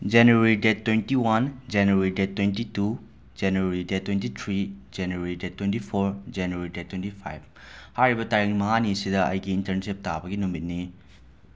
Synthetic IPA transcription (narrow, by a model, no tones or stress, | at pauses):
d͡ʒenueɾidetːwentiwand͡ʒenueɾidet̚ːwentitu | d͡ʒenueɾidetːwentitʰɾid͡ʒenueɾidetːwentipʰoɾd͡ʒenueɾidetʰːwentipʰa̰jb̚ | hajɾibɐtaɾiŋmɐŋanisidɐɐ̰jɡiːntɐɾnsip̚tabɐɡinumit̚ni